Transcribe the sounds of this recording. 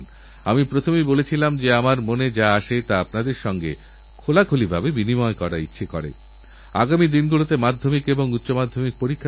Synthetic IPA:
n | amipɾot̪ʰomejbolet͡ɕʰilamd͡ʑeamaɾmoned͡ʑaaʃet̪aapnad̪eɾʃɔŋɡḛ | kʰolakʰolibʱabebinimɔekɔɾa̰itːɕʰekɔ̰ɾḛ | a̰ɡamid̪inɡulot̪emad̪ʱːomikeboŋutːɕomad̪ʱːomik̚poɾikʰːa

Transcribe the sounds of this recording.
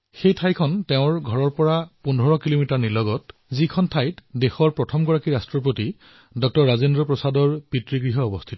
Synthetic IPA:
xejtʰajkʰɔnteʊ̃ɹɡʱɔɹɔɹpɔɹapundʱɔɹɔkilomitaɹnilɔɡɔtzikʰɔntʰajtdexɔɹpɹɔtʰɔmɡɔɹakiɹastɹɔp̬oti | dɔk̚tɔɹːazindɹɔpɹɔsadɔɹpitɹiɡɹiɦɔːbɔstʰitɔ

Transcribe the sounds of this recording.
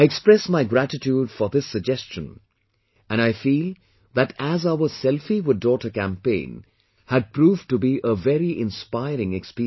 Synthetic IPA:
aɪɛkspɹɛsmaɪɡɾætɪtjuːdfɔðɪsːəɡ̚d͡ʒɛst͡ʃə̃n | æ̃ñaɪfiːlˠ | ðætæzaʊəsɛlˠfiwɪddɔtəkæ̃mpḛ̃ɪ̃n | hæd̚pʰɾuːvtubiʔəvɛɾiʔɪ̃nspaɪɾɪ̃ŋɛkspi

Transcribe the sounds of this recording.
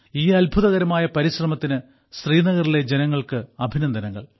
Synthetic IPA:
iːɐlbʱuðɐɣɐɾɐmaːjɐpɐɾiɕrɐmɐt̪ːinɨ | sriːnɐɣɐrile̞d͡ʑe̞nɐŋːɐɭkɨɐbʱinɐnd̪ʱɐnɐŋːɐ̰ɭ

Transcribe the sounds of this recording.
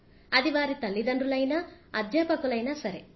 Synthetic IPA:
ɐd̪iʋaːɾit̪ɐlːid̪ɐnɾulɐjnɐɐd̪jɐpɐkulɐjnɐsɐɾe

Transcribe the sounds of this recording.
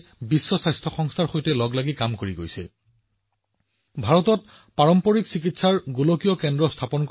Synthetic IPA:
bisːɔsajstʰɔxɔŋstʰaɹxojtɛlɔɡlaɡikamkoɹiɡojsɛ̰ | bʱaɹɔtɔt̚ | paɹɔmpɔɹiksik̬itsaɹɡulokijɔkɛndɹɔstʰapɔnk

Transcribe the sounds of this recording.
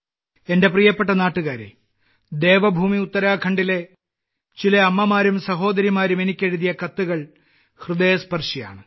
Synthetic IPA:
e̞nde̞prijɐpːe̞ʈːɐnaːʈːuɣaːɾḛ | d̪e̞ːʋɐbʱuːmiut̪ːɐɾaːkʰɐɳɖile̞ | t͡ɕilɐɐmːɐmaːɾumsɐɦo̞ːd̪ɐɾimaːɾume̞nikʲːeɻuðijɐkɐt̪ːuɣɐɭ | hrɨd̪ejɐspɐrʂija̰ːɳɨ

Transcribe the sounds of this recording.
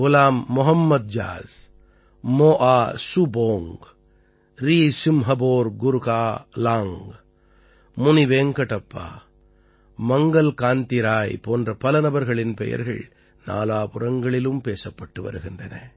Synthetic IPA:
ɣʊlaːmːʊɦɐmːɐd̪̚d͡ʒa̰ːz | moːʔaːsuboːŋɡ | ɾiːsɪmɦɐboːɾɡʊɾɣaːlaːŋɡ | mʊniʋeːŋkɐʈɐpːa̰ː | mɐŋɡɐlkaːnt̪ɪɾaːjpoːndrɐpɐlɐnɐbɐɾɣɐɭɪnpɛ̰jɐ̰ɾɣɐ̰ɭ | na̰ːlaːpʊrɐŋɡɐɭɪlɯmpeːsɐpːɐʈːɯʋɐ̰ɾɯɣɪndrɐnɐ̰

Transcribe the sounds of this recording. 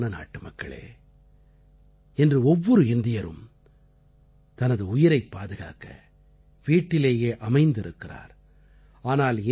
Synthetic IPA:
nɐna̰ːʈːɯmɐkːɐ̰ɭḛː | ɛndrɯɔʋːɔɾɯɪnd̪ɪjɐɾɯ̰m | t̪ɐnɐðɯʊjɪɾɐɪpːaːðɯɣa̰ːkɐ̰ | ʋiːʈːɪleːjeːʔɐmɐɪnd̪ɪɾɯkːɪra̰ːɾ | aːnaːlɪ

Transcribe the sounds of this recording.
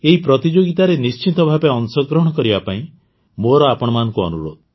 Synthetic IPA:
eɦipɾɔt̪id͡ʒoɡit̪aɾenist͡ʃint̪ɔbʱabeɔnsɔɡɾɔɦɔɽ̃ɔkɔɾibapaĩ | moɾɔapɔɽ̃ɔmanɔ̃ŋkuɔ̰nuɾo̰d̪ʱɔ

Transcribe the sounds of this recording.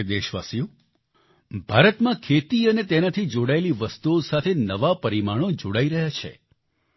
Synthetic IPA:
d̪eʃʋasijũ | bʱaɾət̪mãkʰet̪iənet̪enat̪ʰid͡ʒoɽaeliʋəst̪uosat̪ʰenəʋapəɾimaɽ̃od͡ʒoɽaiɾəɦjat͡ʃʰḛ

